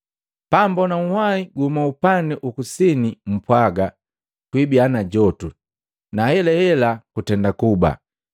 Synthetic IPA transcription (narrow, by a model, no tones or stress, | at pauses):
pambɔnaŋ̩hwaiɡuhumaupanɛʔukusinim̩pwaɡa | kwibianaɟɔtu | nahɛlɛhɛlakutɛndakuba̰